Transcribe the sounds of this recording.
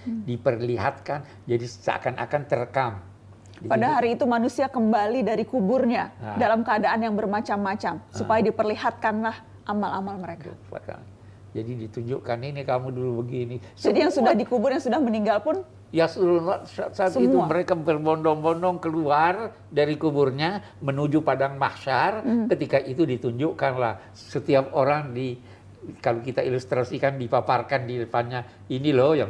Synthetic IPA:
dipərliɦa̰t̪̚kan | d͡ʒadissa̰kana̰kant̪əɾəkam | dipadaɦaɾiːt̪umanusiakəmbalidaɾikubʊrɲadalamkəadaʔanjaŋbərmat͡ʃamːat͡ʃamsupajadipərliɦat̪̚kanlah | ʔamala̰malməɾeka̰a̰ | d͡ʒadidit̪uɲd͡ʒuʔkaninikamudulubəɡinisd͡ʒadijaŋsudahdikubʊrjaŋsudahməniŋɡalpʊn | jasəuɾulasat̪saːt̪it̪uməɾekabərbɔndɔŋbɔndɔŋkəluar | daɾikuburɲa | mənud͡ʒupadaŋmahʃarkət̪ikaʔit̪udit̪uɲd͡ʒʊʔkanlah | sət̪iap̚oɾaŋdi | kalokit̪ailust̪ɾasikandipaparkandiləpanɲa | inilɔjaŋ

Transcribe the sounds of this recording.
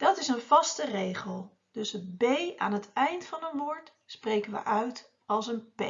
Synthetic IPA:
d̥ɑtɪsənv̥ɑstərejχəlˠ | d̥ɵsətbeja̰ːnɦətɛjntfɑnənʋʊːɹt | sprejkənʋə̰ʔœɥt | ɑlˠsənpɛ

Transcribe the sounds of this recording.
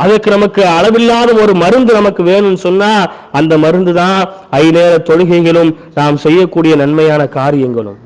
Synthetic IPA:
ɐðɐrkɯnɐmɐkːɯɐɻɐʋɪlːaːðɐmɔɾɯmɐɾɯnd̪ɯnɐmɐkːɯʋeːɳɯmnːɯsɔnːaː | ɐnd̪ɐmɐɾɯnd̪ɯðãː | ɐɪneːɾɐt̪ɔɻɯɣɐɪɣɐɭɯm | naːmsɛjːɐkːuːɽɪjɐnɐnmɐjaːnɐkaːɾɪjɐŋɡɐɭɯ̰m

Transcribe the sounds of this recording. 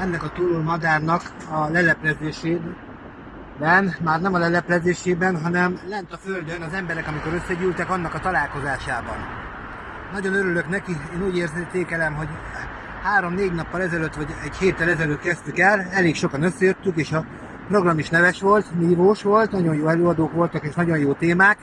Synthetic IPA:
ɛnːɛkɒt̪uloːmɒd̪aːrnɒk | ɒlɛlɛplɛzeːʃeː | bɛnmaːrnɛmɒlɛlɛplɛzeːʃeːbɛnɦɒnɛmlɛnt̪ɒføld̪ønɒzɛmbɛɾɛkɒmiko̞ɾø̞sːɛɟyːlt̪ɛkɒn̪ːɒkɒt̪ɒlaːlko̞zaːʃaːbɒ̰n | nɒɟo̞nøɾylø̞knɛkieːnuːɟeːrzet̪eːkɛlɛmɦo̞ɟ | haːɾo̞mneːɟnɒpːɒlɛzɛløt̪ːʋɒɟɛɟheːt̪ːɛlɛzɛløt̪kɛst̪ykɛlɛleːkʃo̞kɒnøsːɛjøt̪ːykeːʃɒ | pro̞ɡrɒmiʃnɛvɛʃʋo̞lt̪niːvoːʃʋo̞lt̪nɒɟo̞njoːɛløːɒd̪oːkʋo̞lt̪ɒkeːʃnɒɟo̞njoːt̪eːmaːk

